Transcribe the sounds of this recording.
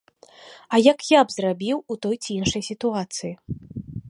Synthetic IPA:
ɐjakjabzrabʲiwut̪ɔjt͡sʲiinʂɐjsʲit̪uat̪sɨji

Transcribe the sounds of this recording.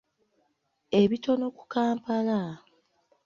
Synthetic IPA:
e̞βito̞no̞ku̥kaːmpala

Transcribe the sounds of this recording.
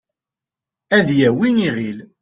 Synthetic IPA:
æðjæwiniʁil

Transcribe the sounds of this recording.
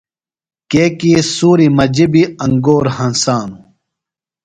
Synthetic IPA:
keːkiːsuːɾimɐd͡ʑibiɐŋɡoːɾhɐnsaːnu

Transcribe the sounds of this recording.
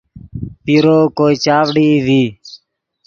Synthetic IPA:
piːɾoːkoːiːt͡ʃaːʋɽiːʋiː

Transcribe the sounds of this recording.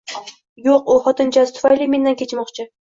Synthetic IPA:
joqʊχɒt̪ʰɪnt͡ʃʰazt̪ʰʊ̥fajlime̞nd̪ankʲʰe̞t͡ʃmɒqt͡ʃʰɪ

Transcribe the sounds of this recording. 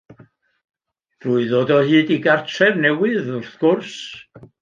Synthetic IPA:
ruːɨðoːdɔhɨːdiɡartʰɛrnɛwɪðʊrθɡ̥ʊrs

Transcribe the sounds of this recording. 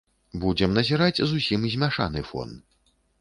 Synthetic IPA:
bud͡zʲɛmnɐzʲiɾat͡sʲzusʲimzʲmʲaʂa̰nɨfɔ̰n

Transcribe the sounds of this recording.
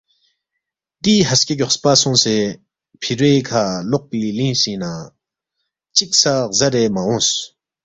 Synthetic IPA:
t̪iɦascecɔχspasuŋseː | pʰiɹeːkʰaloʔ̚pilinɕina | t͡ɕik̚sʰazaɾeːmaɦɔŋs

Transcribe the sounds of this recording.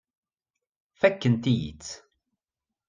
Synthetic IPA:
fækːənt̪ijḭt͡sː

